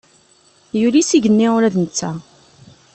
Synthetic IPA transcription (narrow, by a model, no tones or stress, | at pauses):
julisiʝənːɪʊɾæðənət͡sːæ